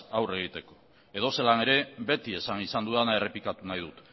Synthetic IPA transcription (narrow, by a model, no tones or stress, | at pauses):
awre̞ɣ̞it̪e̞ko̞̥ | e̞ð̞o̞se̞lane̞ɾe̞βe̞t̪ie̞sanisand̪uðanae̞re̞plikat̪unajðut̪